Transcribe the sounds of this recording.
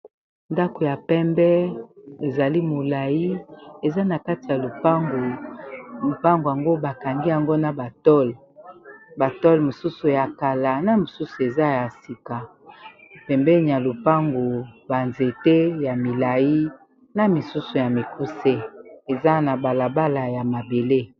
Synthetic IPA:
nda˦ko˨ja˨pɛ˦mbɛ˦e˨za˨li˦mo˨la˨ji˦e˨za˦na˨ka˦ti˨ja˨lo˨pa˦ŋɡo˨ | lo˨pa˦ŋɡo˨a˨ŋɡo˦ba˨ka˨ŋɡi˦a˨ŋɡo˦na˨ba˨tɔ˦l | ba˨tɔ˦lmo˨su˦su˨ja˨ka˨la˨na˦mo˨su˦su˨e˨za˦ja˨si˨ka˨ | pɛ˨mbɛ˦ɲi˨a˨lo˨pa˦ŋɡo˨ba˨nze˨te˦ja˨mi˨la˨ji˦ | na˦mi˨su˦su˨ja˨mi˨ku˦se˦e˨za˦na˨ba˨la˨ba˦la˨ja˨ma˨be˨le˦

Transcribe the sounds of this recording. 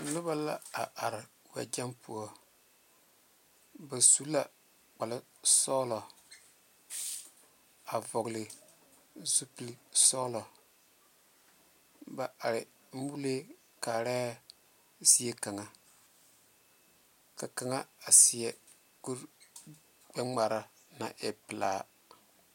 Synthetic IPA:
lʊ˦ba˦la˦a˨ʔa˨ɾɪ˨ | wa̰˨d͡ʒa˦mpu˨ɔ˦˨ | ba˨su˦la̰˨ | k͡pa˨lɪ˦ | sɔ˦lɔ˨ | a˨vɔ˨ɣlɪ˨ | zu˦pi˨lsɔː˦lɔ˨ | ba˨ʔa˨ɾɪ˨ | m̩˦bu˦le˦ | ka˨ɾɛː˦ | si˦e˦ka˨ŋa˨ | ka˨ka˨ŋa˦a˨sɪ˨jɛ˨ | ɡu˦ɾ | ɡ͡bɛ˦ŋ͡ma˨ɾa˦ | na˨ʔɛ˨pɪ˨laː˦

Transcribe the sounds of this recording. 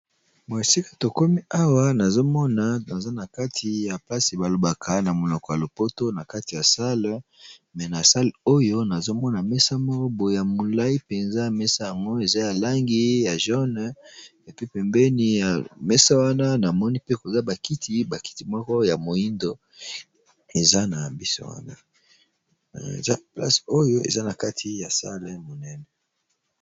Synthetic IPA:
mo˨e˨si˦kḁ˨to˨ko˦mi˦a˦wa˦na˨zo˦mɔ˦na˨na˨za˦na˨ka˦tʰi˨ja˨pa˦si˨ba˨lo˨ba˨kʰa˨na˨mo˨lɔ˨kɔ˨ja˨lo˨po˦to˦na˨ka˦ti˨ja˨sa˦lmɛ˨na˨sa˦li˨o˦jo˦na˨zo˦mɔ˦na˨mɛ˦sa˦mɔ˦kɔ˦bo˨ja˨mo˨la˦i˦pe˨nza˦˨mɛ˦sa˦ja˨ŋɡo˦e˨za˦ja˨la˦ŋɡi˦ja˨ʒɔ˦n˨ | e˨pi˦pɛ˨mbɛ˦ni˨ja˨mɛ˦sa˦wa˦na˦na˨mɔ˦ni˦pe˦ko˨za˦ba˨ki˦tʰi˦ba˨ki̥˦ti˨mɔ˦kɔ˦ja˨mo˨i˦ndo˨ | e˨za˦na˨bi˦so̰˦wa̰˦na̰˦˨ | za˦pla̰˦so˦jo˦ḛ˨za˦na˨ka˦tʰi˨˦ja˨sa˦lɛ˨mo˨nɛ˦nɛ˨

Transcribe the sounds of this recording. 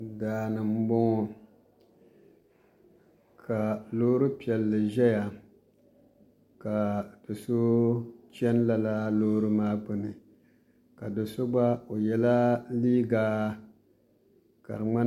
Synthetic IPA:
daː˨nɨ˨m̩˦bo˦ŋɔ˨ | kʰa˨loː˦ɾɨ˦pi˨ɛ˨lːɨ˨ʒɛ˦ja˨ | ka˨d̥o˨sʊ˦t͡ʃɛ˦n˦la˦la˦loː˦ɾɨ˦maː˦bʊ˨nɨ˨ | ka˨do˨sʊ˦ɡ͡ba˦o˨jɛ˦la˦liː˦ɡaː˦ | ka̰˨ɾɨ˨ŋ͡ma˦

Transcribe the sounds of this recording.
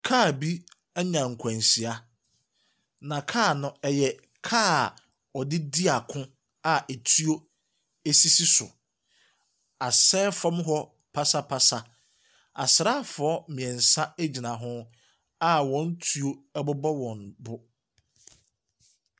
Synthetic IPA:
kʰaː˦˨bi˦ | a˦ɲã˨ŋ̩˨kʷʰã˨nsi˨a˦ | nã˨kʰaː˦˨nʊ̃˦ɛ˨jɛ˨ | kʰaː˦˨ | ɔ˨dɪ˦di˦a˨kʰʊ̃˦ | a˨e˨tʰu˦o˦ | e˦si˦si˦sʊ̰˨ | a˨sɛː˦fɔ˦mɦɔ˦ | pʰa˦sa˦pʰa˦sa˦ | a̰˨sɪ˨ɾa˦fʊ˨ɔ˦mɪ̃˨ɛ̃˨n̩˨sa˦e˦d͡ʑi˨nã˨ɦʊ̃˦ | a˦wɔ̃˨˦n̩˦tʰu˦o˦ɛ˦bʊ˦bɔ˦wɔ̃˨nbʊ˦

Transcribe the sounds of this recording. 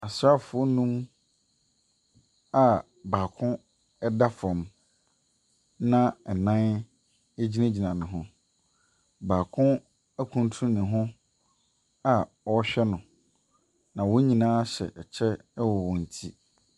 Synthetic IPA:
a˨sɾa˦fʊ˨˦ɔ˦nũ˦m | a˨ | baː˨kʰʊ̃˦ | ɛ˦da˦fɔ̃˨m | nã˦ɛ˨nã˦n | e˦d͡ʑi˦nã˦d͡ʑi˨nã˨nɪ̃˨ɦʊ̃˦ | baː˨kʰʊ̃˦ | æ˦kʰũ˦n˦tʰũ˦nɪ̃˨ɦʊ̃˦ | a˨ | ɔ˦ɕᶣɛ˦nʊ̃˨ | nã˨wõ˦ɲĩ˨nãː˦ɕɛ̰˨ʔɛ˨t͡ɕʰɛ˦ | wɔ˨wɔ̃˨n̩˨tʰi˦

